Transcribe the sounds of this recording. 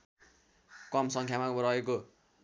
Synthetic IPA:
kʌmsʌŋkʰjamakɾʌeko

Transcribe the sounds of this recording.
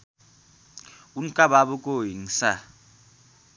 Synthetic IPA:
uŋ̩kʼababʊkʼojiŋ̩sa

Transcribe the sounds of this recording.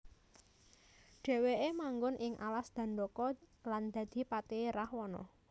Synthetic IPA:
ɖ̥e̤weemaŋɡʊnʔɪŋʔa̰lasd̪̥ä̤nɖɔkɔland̪̥ä̤d̪̥i̤pat̪eɾahwɔnɔ̰

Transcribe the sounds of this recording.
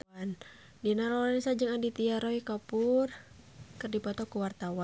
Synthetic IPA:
n | dinaɾɔnisad͡ʒɨŋandit̪iaɾɔikapur | kɨrdipɔt̪ɔkuwart̪awa

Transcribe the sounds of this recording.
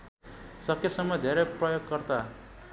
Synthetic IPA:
sʌkʰːesʌmːʌd̪ʱeɾʌjprʌjoɡkʌrt̪a

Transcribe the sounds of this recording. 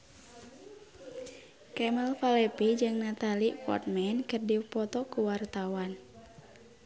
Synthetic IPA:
kɛməlfalɛpid͡ʒɨŋnat̪alipɔ̰rt̪̚mɛnkɨrdipɔt̪ɔkuwart̪awan

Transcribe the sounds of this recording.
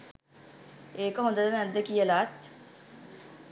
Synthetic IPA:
eːkəɦõnd̪əd̪ənæd̪ːəkijəlaːt̪

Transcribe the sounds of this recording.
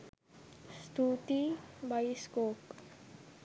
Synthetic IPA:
st̪ut̪ibajskok

